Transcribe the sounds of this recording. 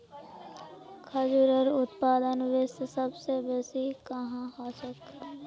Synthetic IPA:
kʰɐd͡ʒʊɾəɾʊt̪paːd̪ənʋeːsesɐbsebɛːsikɐɦãaːsəkː

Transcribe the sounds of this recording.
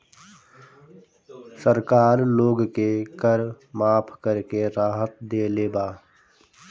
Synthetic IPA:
səɾkaːɾloːɡkekəɾ | maːpʰkəɾkeɾaːɦət̪̚d̪eːleːbaː

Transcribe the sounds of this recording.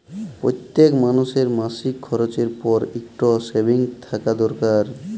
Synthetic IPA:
pɾojt̪ːekmanuʃeɾmasikʰːɔɾot͡ɕeɾpɔɾikʈosebʱiŋt̪ʰakad̪ɔɾkaɾ

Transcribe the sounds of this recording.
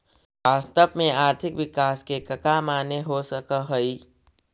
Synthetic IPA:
ʋaːst̪əpmẽaːɾt̪ʰɪkʋɪkaːskekəkamaːneɦosəkəɦəi

